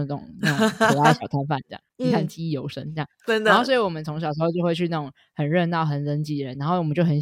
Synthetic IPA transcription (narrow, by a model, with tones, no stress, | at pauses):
ʈ͡ʂʊ̰˨˩˦ŋna˥˩ʊ˩a˥˩ɕjɑ˨˩ʊt̪ʰa˥nfa˥˩n˥jɑ̰˥˩ŋni˨˥kʰa˥˩nt͡ɕi˥i˥˩jo˧˥ʊʂə̰˥ŋə˧jɑ̰˥˩ɻaə˥nd̪nxʊswi˧˥wɔ˨˩mə˦nt͡sʰʊ˧˥ŋɕɑ˨˩ʂ̩ɻ̩˧˥xo˥˧ʊt͡ɕjwe˥˧ɪɕɻy˥˧na˥˩ʊ˨˩ŋ | xə˨˩nɻə˥˧nt̪ɑ˥˩ʊxə˨˩nə˧˥nt͡ɕi˥d̪ə˨˩ə˧˦n˥a˧˥no˥˩wə˦t͡ɕjo˥˩ʊxə˧˥n